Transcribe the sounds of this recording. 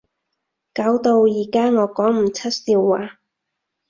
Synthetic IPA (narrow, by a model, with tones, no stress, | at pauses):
kaː˨˥wt̪o˧wjiː˨˩kaː˥ŋɔː˨˧kɔː˨˥ŋm̩˨˩t͡sʰɐ˥t̚siː˧wːaː˨˧